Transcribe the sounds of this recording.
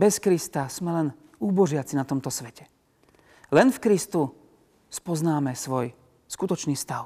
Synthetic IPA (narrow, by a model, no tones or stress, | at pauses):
bɛskɾist̪asmɛlɛn | uːbɔʒɪat͡sinat̪ɔmt̪ɔsʋɛcɛ̥ | lɛnfkɾist̪u | spɔznaːmɛsʋɔj | skut̪ɔt͡ʃniːst̪aʊ